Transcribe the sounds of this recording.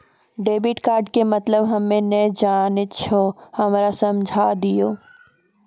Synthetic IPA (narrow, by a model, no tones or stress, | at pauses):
ɖeːbɪʈkaːɾɖkemət̪ləbɦəmːẽnəd͡ʒaːnet̪t͡ʃʰohɐmɾasəmd͡ʒʱad̪ijoː